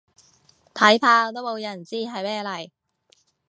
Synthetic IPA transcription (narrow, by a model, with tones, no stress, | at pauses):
t̪ʰɐ˨˥jt̪ʰaː˧t̪o˥wmo˨˧wjɐ˨˩nt͡siː˥ɦɐ˨jmɛː˥˧lɐ˨˩j